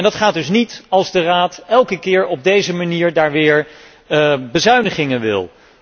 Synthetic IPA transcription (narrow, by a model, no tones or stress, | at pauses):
ɛndɑtχaːd̚ɵsnitɑlˠzdəraːtɛlˠkəkɪːɹɔb̚dejzəmaniːɹdaːɹʋɪːɹ | bəzœɥnəχɪŋənʋɪ̰lˠ